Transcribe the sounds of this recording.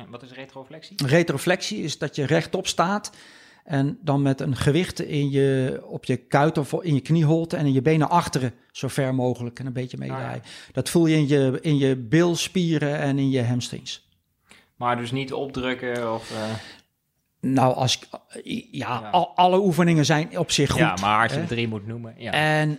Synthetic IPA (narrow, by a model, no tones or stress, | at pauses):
ʋɑtɪsretroflɛksirejtroflɛksiɪsdɔtjərɛχtɔpstaːt | ɛndɑnmɛtənχəʋɪχtɪnjəɔpjəkœɥtɔfɪnjəkniɦolˠtɛnɪnjəbejnəʔɑχtərə | z̥owfɛɹmowχələkənəmbejtəmḛjdjrɛ̰jd̥ɔtfulˠjənjəɪnjəbɪlˠspiːɾəɛnɪnjəɦɛmstrɪ̰ns | madɵsnitɔp̚drøkəɔf | nawʔɑ̰s | jaɑləufənɪŋəzɛjnɔpsɪxːuasdrimutnuməɛn